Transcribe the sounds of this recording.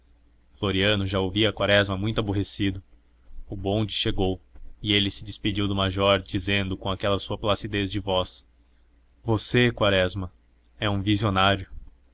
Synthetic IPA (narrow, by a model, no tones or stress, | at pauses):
floɾiɐ̃nʊʒaowviɐkwaɾɛzmɐmũj̃t̪ʊaboɦesid̪ʊ | ʊbõd͡ʒɪsʃeɡowɪelɪsɪd͡ʒɪspid͡ʒiwd̪ʊmaʒɔɾd͡ʒizẽnd̪ʊkõakɛlɐsuɐplasid̪ezd͡ʒɪvɔs | vosekwaɾɛzmɐ | ɛũvizionaɾjʊ